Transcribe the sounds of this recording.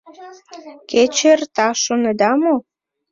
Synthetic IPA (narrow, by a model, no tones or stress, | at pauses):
ket͡ɕert̪ɑʃoned̪ɑmo